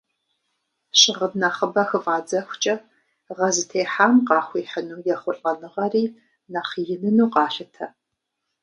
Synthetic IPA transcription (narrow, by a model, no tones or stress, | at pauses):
ɕʼɪʁədnɐχəbɐxɨvaːd͡zɐxʷt͡ʃʼɐ | ʁɐzɨtʰeːħaːmqɑːxʷiːħənuːjɛχʷʊɬʼɐnɨʁɐriː | nɐχjɪnɨnuːqɑːɬɨtʰɐ